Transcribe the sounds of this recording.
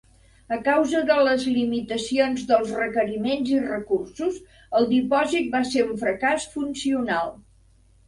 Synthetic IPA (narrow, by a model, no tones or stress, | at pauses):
əkawzəðələzlimit̪əsionzðəlˠzrəkəɾimenzirəkursuz | əlˠd̪ipɔzit̪̚baseɾuɱfɾəkasfunsiunalˠ